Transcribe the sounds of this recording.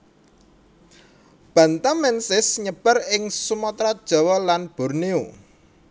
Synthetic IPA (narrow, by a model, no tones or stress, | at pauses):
b̥ä̤nt̪amɛnsɪsɲəb̥ərɪŋsumɔt̪ɾad̥ʒ̥ɔ̤wɔlanb̥ɔ̤rnio